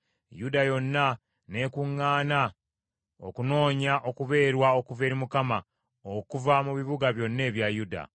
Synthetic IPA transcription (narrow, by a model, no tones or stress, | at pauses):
judajo̞nːa | ne̞kuŋːaːna | o̞̰kuno̞ːɲaʔo̞kuβe̞ːɾwao̞kuve̞ːɾimukama | okuvamuβiβuɡaβjo̞nːe̞ːβjajuda̰